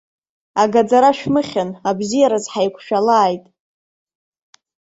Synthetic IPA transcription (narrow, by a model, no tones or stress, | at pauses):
aɡad͡zaɾaʃᶣmɨχʲanabzijaɾazħajkʷʰʃᶣalaːjtʼ